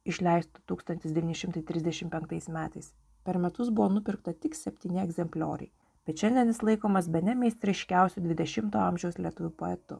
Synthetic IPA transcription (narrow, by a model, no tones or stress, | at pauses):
ɪʃʲlʲɛɪst̪ʊt̪uːkst̪ɐnʲt̪ʲɪsd̪ʲɛʋʲiːnʲɪʃʲɪmt̪ɐɪt̪ʲɾʲɪzd̪ʲɛʃʲɪmpʲɛŋkt̪ɐɪsmʲæːt̪ɐɪs | pʲɛɾmʲɛt̪ʊsbʊʋoːnʊpʲɪɾkt̪ɐt̪ʲɪksʲɛpʲt̪ʲiːnʲɪɛɡzʲɛmʲpʲlʲo̰ːɾʲɛ̰ɪ | b̥ʲɛt̪ʃʲɛnʲd̪ʲɛnʲɪslˠɐɪkoːmɐsbʲɛnʲɛmʲɛsɾɛɪʃʲkʲæˑʊsʲud̪ʲʋʲɪd̪ʲɛʃʲɪmt̪oːɐmʲʒʲɛʊslʲiɛt̪ʊʋʲuːpoːɛt̪ʊ̰